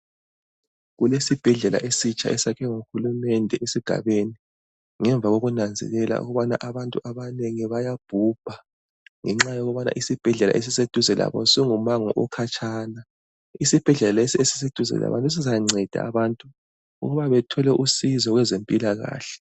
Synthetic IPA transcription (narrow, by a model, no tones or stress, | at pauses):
ɣulesib̥ʱɛɮɛla̰ʔesit͡ʃʼaʔɛsakʰɛŋuxulumɛndʱɛʔesiɡ̥ʱa̰βeni | ŋɛɱb̪vʱaɣoɣunand͡zʱɛ̰lɛla̰ṵɣuβana̰ʔaβantʼuʔaβaneŋiβajab̥ʱub̥ʱa | ŋɛŋ͡ǁajoɣβana̰ʔisib̥ʱɛɮɛla̰ʔes̬ised̥ʱuzɛla̰βɔ̰siŋumaŋɔ̰ʔɔkʰat͡ʃʼʰaːna | isib̥ʱɛɮɛlalaesiesi̥sed̥ʱuzɛ̰la̰βa̰ntʼus̬izaŋ͡ǀʱɛd̥ʱa̰aβantʼu | ṵɣuβaβɛtʰɔlɛʔusizɔɣwɛzempʼilaɣa̰ːɬɛ̥